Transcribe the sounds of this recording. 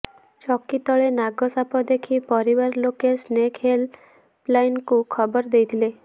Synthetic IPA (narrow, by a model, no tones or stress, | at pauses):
t͡ʃɔkit̪ɔɭenaɡɔsapɔd̪ekʰipɔɾibaɾlokesnekɦel | plajnkukʰɔbɔɾd̪ejt̪ʰile